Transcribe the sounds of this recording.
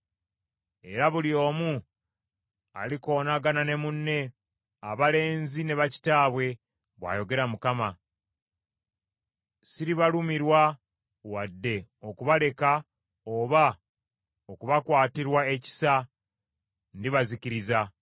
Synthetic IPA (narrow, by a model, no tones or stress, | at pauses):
e̞ɾaβuljo̞ːmu | a̰liko̞ːnaɡanane̞munːe̞ | aβale̞ːnzine̞βaci̥taːβwe̞ | βwa̰ːjo̞ɡe̞ɾamukama | siɾiβalumiɾwa | wadːe̞o̞kuβale̞ka | oβa | okuβakwaːtiɾwae̞ci̥sa | ndiβaziciɾiza